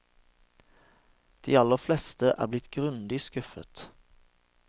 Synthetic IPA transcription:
d̪̥iːɑlːəflɛst̪əʔæ̰ːblɪt̪ɡʁʉnd̪ɪskʉfə̰t̪

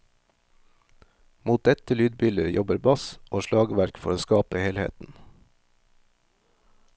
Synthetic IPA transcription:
muːt̪̚d̪ɛt̪əlyːd̪bʏləjʔɔbəɾbɑsʔoːʃlɑːɡʋæɾkfɔɾoːskɑːpəheːlhḛːt̪n̩

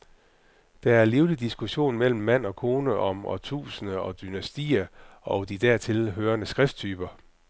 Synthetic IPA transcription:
d̥ɑ̈æɐliːʊlid̥isɡ̥uɕo̝̰ːnmel̰m̩ːæn̰ɒ̽kʰo̝ːnəʔɒ̽mɒ̰t͡sʰṵːsənəɒ̽d̥ynæsd̥ḭːɐɒ̽ʊd̥id̥æɐ̰t͡sʰe̝lɦøːɐnəsɡ̥ʁɛfd̥t͡sʰyːb̥ɐ

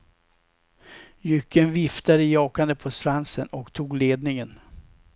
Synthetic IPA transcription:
jʏkːənvɪft̪ad̪əjɑːkand̪əpʰɔsɾansənɔkt̪ʰuːɡleːd̪̚nɪŋən

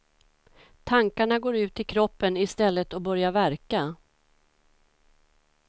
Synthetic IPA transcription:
t̪ʰaŋkaɳaɡoːɾʉ̟ːt̪ɪkʰɾɔpːənɪst̪ɛlːət̪ɔbœɾjavæɾka

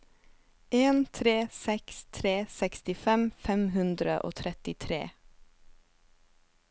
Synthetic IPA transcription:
ʔeːnt̪ʰɾeːsɛkst̪ʰɾeːsɛkst̪ɪfɛmfɛmhʉnd̪ɾəʔo̰ːt̪ʰɾɛt̪ɪt̪ʰɾḛː

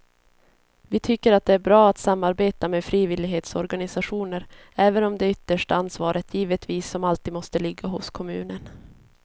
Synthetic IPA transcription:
vɪt̪ʰʏkːəɾat̪̚d̪ɛæɾbɾɑːat̪samːaɾbeːt̪ameːfɾiːvɪlɪɡɦeːt̪sɔɾɡanɪsaɧuːnəɾ | ɛːvənɔmd̪ɛʏt̪ːəʂʈaansvɑːɾət̪ʰjiːvət̪viːsːɔmalt̪iːd̪mɔst̪əlɪɡːaɦʊskʰɔmʉ̟̰ːnən

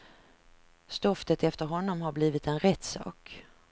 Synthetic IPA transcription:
st̪ɔft̪ət̪ɛft̪əɾɦɔnːɔmhaɾbliːvɪt̪ɛnɾɛt̪ːsɑ̰ːk

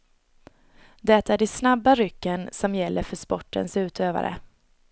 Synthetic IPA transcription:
d̪ɛt̪ːæɖɪsnabːaɾʏkːənsɔmjɛlːʔəɾfœʂpɔʈːə̰nsʉ̟ːt̪ʰøːva̰ɾə̰

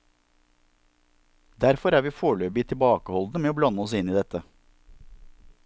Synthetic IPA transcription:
d̪æɾfɔɾæːɾʋiːfoːɭøːbɪt̪ʰɪlbɑːkəhɔld̪nəmeːoːblɑnəɔsɪniːd̪ɛt̪ə

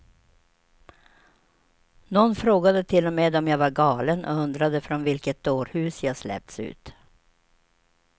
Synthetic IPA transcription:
nɔnːfɾoːɡad̪ət̪ʰɪlːɔmeːd̪ɔmjavaɾɡɑːlənʔɔ̰ɵnd̪ɾad̪əfɾɔnvɪlkət̪̚d̪oːɾhʉ̟ːsjɑːslɛ̰p̚t̪sʉ̰ːt̪

